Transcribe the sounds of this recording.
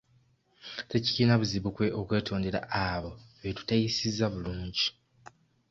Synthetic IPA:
te̞ci̥ciːnaβuziβukwe̞okwe̞ːtʰo̞ːnde̞ɾa̰aβo̞βetu̥tajisizːaβuluːɲɟi

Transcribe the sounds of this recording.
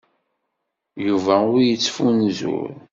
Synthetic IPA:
juvæʊɾjət͡sːfunzṵɾ

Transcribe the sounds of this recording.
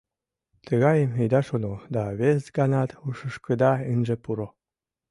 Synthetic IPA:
t̪əɣɑjəmijd̪ɑʃonod̪ɑβezɡɑnɑt̪uʃəʃkəd̪ɑɯnʲʒepuɾo

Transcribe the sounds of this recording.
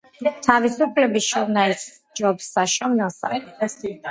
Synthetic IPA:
t̪ʰavisupʰlɛbisʃɔmnais | d͡ʒɔbsaʃɔmnɛlˠsa̰

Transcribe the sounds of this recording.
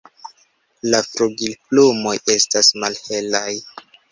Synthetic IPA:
lafɾuɡilplumo̞je̞stasmalhe̞laj

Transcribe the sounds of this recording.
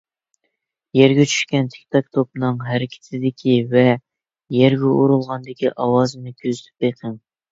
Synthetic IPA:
jɛɾɡʲɛt͡ʃʰy̥ʃkʲɛnt̪ʰe̥kʲt̪ʰɑkt̪ʰop̚nɨŋɦæɾɪkʲʰe̥t̪ʰɪd̪ɪkʲʰivɛ | jɛɾɡʲɛuɾulˠʁɑnd̪ɪkʲiʔɑwɑːzɨnɨkʲʰøzyt̪ʰy̥p̚beqʰəŋ

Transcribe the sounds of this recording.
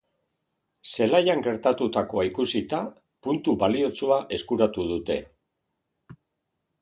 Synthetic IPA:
se̞lajaŋɡe̞ɾt̪at̪ut̪ako̞aikusit̪a | punt̪uβalio̞t͡suaʔe̞skuɾat̪uð̞ut̪e̞

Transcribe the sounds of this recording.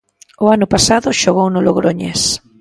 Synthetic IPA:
ʊanʊpasaðʊʃoɣownʊloɣɾoɲḛs

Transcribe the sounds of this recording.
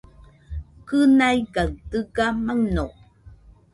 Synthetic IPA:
kənajkaɰtəkamaŋno

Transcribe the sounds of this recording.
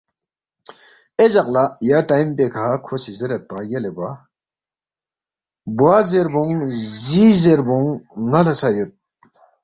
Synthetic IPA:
ed͡ʑak̚lajaʈ͡ʂajmpekʰakʰosizeɾat̪̚pajaleba | buazeɾbuŋziːzeɾbɔŋːalasajøt̪̚

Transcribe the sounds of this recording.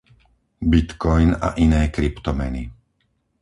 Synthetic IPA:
bit̪kɔjna̰ʔinɛːkɾipt̪ɔmɛni

